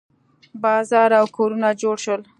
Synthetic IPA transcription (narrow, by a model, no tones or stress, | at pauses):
bɑzɑɾawkoɾunad͡ʒoɽʃwəl